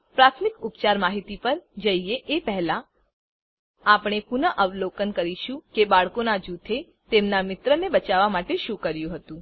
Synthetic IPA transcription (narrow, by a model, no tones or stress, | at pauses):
pɾat̪ʰmikupt͡ʃaɾmaɦit̪ipəɾd͡ʒəieʔepəɦɛla | apɳ̃epunəʔəʋlokənkəɾiʃũkebaɭkonad͡ʒut̪ʰe | t̪emnamɪt̪ɾənebət͡ʃaʋamaʈeʃũkəɾjũɦət̪ũ